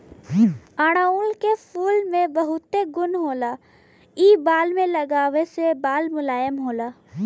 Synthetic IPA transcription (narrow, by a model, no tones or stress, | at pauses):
aːɽ̃aːulkefʰuːlmẽbɐɦʊt̪ːeɡʊnɦoːlaː | iːbaːlmẽlɐɡaːʋesebaːlmʊlaːjəmɦoːlaː